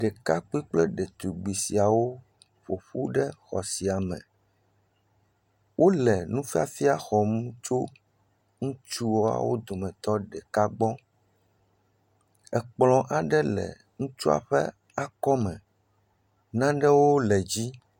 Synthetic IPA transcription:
ɖɛ˨ka˦k͡pi˦k͡plɛ˦ɖɛ˨t̪u˨ɡ͡bi˨si˨a˨wo˦ | ɸo˨ɸu˦ɖɛ˦xɔ˨si˨a˨mɛ̰̃˨ | wʔo˦lɛ˨nũ˦fi˦a̰˦fi˦a˨xɔ˨mũ˦t͡ʃo˦ | ŋũ˦t͡ʃu˦wo˦a̰˨wo˦d̪o˨mɛ̃˨t̪ɔ˦ɖɛ˨ka˦ɡ͡bɔ˦ | ɛ˨k͡plɔ̃˨ʔa˨ɖɛ˦lɛ̰˨ | ŋũ˦t͡ʃu˦a̰˨ɸɛ̰˦ | a˦kɔ˦mɛ̃˨ | nã˦ɖɛ˦wo˦lɛ˨d͡ʑi˦

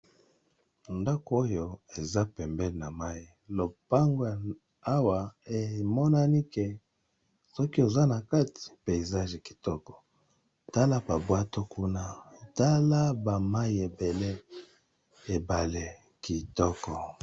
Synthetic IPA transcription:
nda˦ko˦jo˨e˨za˦pɛ˨mbɛ˦le˨na˨ma˦i˦lo˨pa˦ŋɡo˦˨ | a˦wa˨e˨mɔ˦na˦ni˦ke˨ | sɔ˦ki˦o˨za˦na˨ka˦ti̥˨pe˨i˨za˦ʒe˨ki̥˨tɔ˦kɔ̥˨ | ta˦la˦ba˨bwa˦to˦ku˦na˦˨ta˦la˦ba˨ma˦i˦e˨be˨le˦ | e˨ba˨le˨ | ki˨tɔ˦kɔ˨

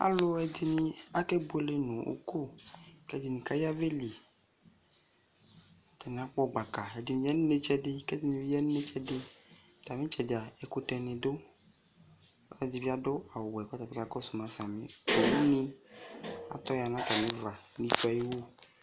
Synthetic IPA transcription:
a̰˦lo˦ɛ˨di˨nĩ˦a˦ke˦bu˦e˦le˦nʊ̃˨o̰˨ku˦˨kɛ˦˨di˨nĩ˨ka˦ji˦a˦ve˦li˨ | t̪ɛ˨n˨a˨˦k͡pɔ˦˨ɡ͡ba˨ka˨e˨di˨nĩ˨jɛ˦n˦ne˦t͡ʃɛ˦dɪ˦kɛ˦di˦˨nĩ˨vi˦jɛ˦n˦ne˦t͡ʃɛ˦dɪ˦ | t̪a˨mẽ˦t͡ʃɛ˨da˨e˨ko˦tɛ˨nẽ˨do˦ | a˦˨di˨vi˦a˦dʊ˦a˨wɛ˨kɔ˦ta˨bi˦ka˦kɔ˦su˨mã˨sa˨mḛ̃˨o˦u˦nĩ˦ | a̰˨t̪ɔ˦ja˨nã˦t̪a˨mẽ˦va˨nĩ˨˦t͡ʃu˦a˨ji˦wo˦

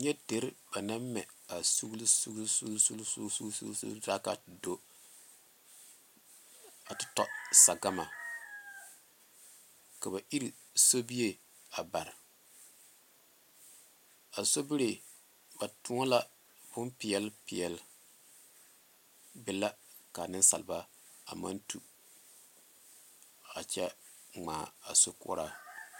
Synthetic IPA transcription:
ɲɛ˦de˨ɾba˨na˦mmːɛ̰˨a˨su˦ɡli˦su˦ɡlsu˦lsu˦lsṵ˦su˦sṵ˦sṵ˦da˦ka̰˨do˦ | a˨tɪ̥˦tɔ̰˨sa˨ɡa˦ma˨ | ka˨βa˨ʔi˦ɾi˨ | so˦bi˦je˦ | a˨ba˨ɾɪ˨ | a˨so˦bɪ˦ɾe˨ | ba˨tʊ˦ŋa˦la˦ | bʊ˦npɪ˨ɛ˦lpɪ˨ɛ˨l | bɪ˦la˦ka˨nɪ˦n˦sa̰˨lba˦ | a̰˨ma̰˦ntu˨ | a̰˨t͡ʃɛ˦ | ŋ͡maː˨a̰˨so˦kʊ̰˦ɾa˦

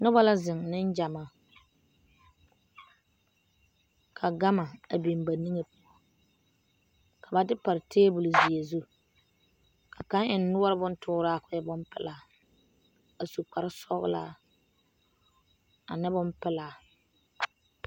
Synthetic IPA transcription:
nʊ˦ba˦la˦zɪ˨ŋnɪ˦n˦d͡ʒa˨ma˨ | kʰa˨ɡa˦ma˨a˨bi˨mba˨ni˦ŋe˨pʊ˦ɔ˨ | kʰa˨ba˨dɪ˦pa˨ɾɪ˨tʰeː˦bʊ˨lʊ˨zi˨e˨zu˦ | kʰa˨ka˦ŋʔɪ˨nː˦ʊ˦ɔ˦ɾɪ˦bʊ˦n˦tʰʊː˦ɾaː˦˨kʊ˨˦ɛ˦bʊ˦mpɪ̰˦la˨ | a˨su˨k͡pa˨ɾɪ˦sɔ˦ɣʊ̰˦la̰ː˦˨ | a̰˨nɪ˦bʊ˦mpɪ˦laː˨

